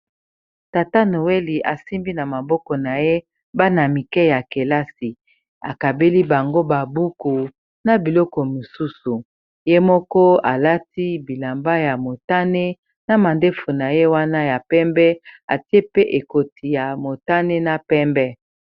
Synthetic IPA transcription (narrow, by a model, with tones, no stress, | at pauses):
ta˨ta˦no˨we˦li˨ʔa˨si˦mbi˦na˨ma˨bɔ˦kɔ˨na˨je˦ | ba˦na˨mi˨kɛ˦ja˨ke˨la˦si˨ | a̰˨ka˨be˦li˦ba˨ŋɡo˦ba˨bu˦ku˨ | na˨bi˨lɔ˦kɔ˨mo˨su˦su˨ | je˦mɔ˦kɔ˦a˨la˦ti˦bi˨la˨mba˦ja˨mo˨ta˦ne˦ | na˨ma˨nde˦fo˨na˨je˦wa˦na˦ja˨pɛ˦mbɛ˦a̰˨ti˦e˦pe˦ʔe˨ko˨ti˨ja˨mo˨ta˦ne˦na˦pɛ˦mbɛ˦